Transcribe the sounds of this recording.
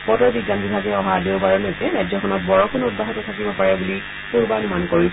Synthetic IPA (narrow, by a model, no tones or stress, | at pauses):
pɔtɔɹbiɡantitʰakɛɔɦadeʊbaɹɔnɛɛɹajd͡ʒzɔkʰɔnɔt̚bɔɹɔkʰʊnud̚baɦɔtɔtʰakibɔpaɹɛbuli | puɹbanumankoɹi